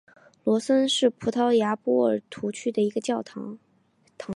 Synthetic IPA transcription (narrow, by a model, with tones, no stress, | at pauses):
lwɔ˧˥sə˥nʂɻ̩˥˩pʰu˧˥t̪ʰɑ˥ʊja˧˥pɔ˥ə̰˞˨˩t̪ʰu˧˥t͡ɕʰy˥d̪ə˨i˧˥ɡə˧t͡ɕjɑ˥˩ʊt̪ʰ | t̪ʰɑ˧˥